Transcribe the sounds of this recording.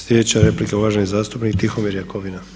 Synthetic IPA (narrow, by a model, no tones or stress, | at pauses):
slʲeet͡ɕaɾeplikeulaːʒenizaːst̪upnikt̪ixomiɾjakoʋina